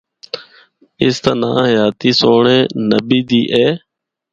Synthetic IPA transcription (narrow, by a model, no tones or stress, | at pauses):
ɪst̪ənã̰ːɦəjaːt̪iːsoːɳẽːnəbiːd̪iːʔeː